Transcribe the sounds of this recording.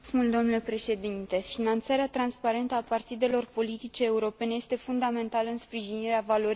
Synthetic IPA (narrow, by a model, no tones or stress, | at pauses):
smuld̪o̞mnule̞pɾe̞ʃe̞d̪int̪e̞finant̪saɾeat̪ɾanspaɾe̞nt̪əapart̪id̪e̞lo̞rpo̞lit̪it͡ʃe̞ːuɾo̞pe̞ne̞je̞st̪e̞fund̪ame̞nt̪aləɨnspɾiʒiniɾeavalo̞ɾi